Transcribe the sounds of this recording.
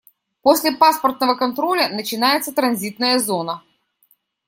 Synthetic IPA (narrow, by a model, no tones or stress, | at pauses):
posʲlʲɪpaspərt̪̚nəvəkɐnt̪ɾolʲənət͡ɕɪnajɪt̪sət̪ɾɐnzʲit̪nəjəzo̞nə